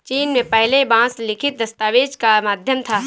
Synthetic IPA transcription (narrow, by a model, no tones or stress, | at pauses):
t͡ʃiːnmẽpɛɦlebãːslɪkʰɪt̪̚d̪ɐst̪aːʋeːd͡ʒkamaːd̪ʱjəmt̪ʰaː